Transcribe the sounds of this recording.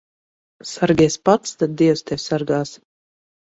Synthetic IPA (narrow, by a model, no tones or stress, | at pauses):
saɾɡʲɛspat̪st̪ad̪̚d̪iɛwst̪ʲɛwʲsaɾɡaːs